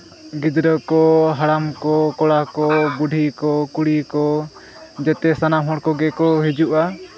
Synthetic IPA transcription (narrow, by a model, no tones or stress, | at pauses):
ɡid̪ɾɔkɔɦaɽamkɔkɔɽakɔbuɖʱikɔkuɽikɔ | d͡ʒɛt̪ɛsanamɦɔɽkɔɡɛkɔɦid͡ʒuʔa